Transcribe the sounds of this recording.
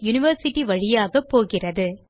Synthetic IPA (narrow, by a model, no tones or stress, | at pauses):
jʊnɪʋɐɾsɪʈːiʋɐɻɪjaːɣɐpːoːɣɪrɐðɯ